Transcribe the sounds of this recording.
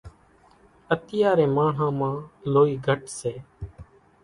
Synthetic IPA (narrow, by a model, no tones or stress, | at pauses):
ət̪ɪjaːɾẽːmaːɳ̤ãːmãːloːiːɡʱəʈseː